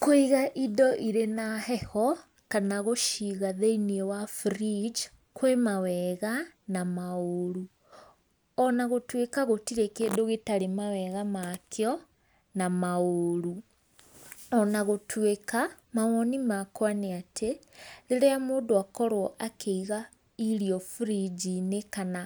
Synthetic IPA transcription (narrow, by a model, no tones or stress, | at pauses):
koiɣaʔidɔʔiɾenahɛhɔ | kanaɣoʃiɣaðeiniewafɾid͡ʒ | kʰwemawɛɣanamaoɾu | ɔnaɣotwekaɣotiɾekeːdoɣetaɾemawɛɣamakʰeɔ | namaoɾu | ɔnaɣotʰwekamamɔnimakwaneatʰeɾeɾeamoːdoakɔɾwɔʔakʰeiɣa | iɾiɔfuɾid͡ʒinekana